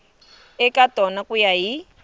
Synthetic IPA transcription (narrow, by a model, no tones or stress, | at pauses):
ɛkʼatʼɔnakʼujaɦi